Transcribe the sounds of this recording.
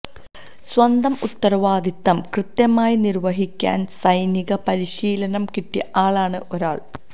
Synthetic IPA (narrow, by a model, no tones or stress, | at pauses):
swɐnd̪ɐmut̪ːɐɾɐʋaːd̪it̪ːɐmkrɨt̪jɐmaːjinirʋɐɦikʲːa̰ːnsɐjniɣɐpɐɾiɕiːlɐnɐmkiʈːiʔaːɭaːɳɨʔo̞ɾaːɭ